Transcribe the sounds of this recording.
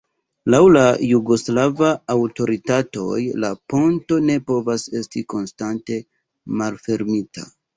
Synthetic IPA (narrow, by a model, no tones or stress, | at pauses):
lawlajuɡo̞slavaːwto̞ɾitato̞̰jlapo̞nto̞ne̞po̞vase̞stiko̞nstante̞ | malfe̞ɾmitʰa̰